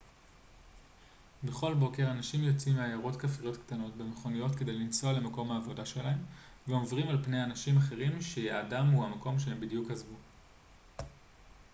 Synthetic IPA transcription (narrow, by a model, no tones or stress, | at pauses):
be̞χo̞lbo̞ke̞ʁanaʃimjo̞t͡simeajaʁo̞tkafʁijotkt̪ano̞tbe̞me̞χo̞nijo̞tke̞de̞jlint͡soale̞mako̞mhaːvo̞daʃe̞lae̞m | veo̞vʁimalpne̞janaʃimaχe̞ʁimʃeaːdamhuhamako̞mʃeembidjukhazvu